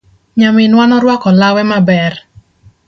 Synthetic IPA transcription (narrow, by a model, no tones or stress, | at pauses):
ɲamɪnwanɔɾwakɔlawɛmabɛr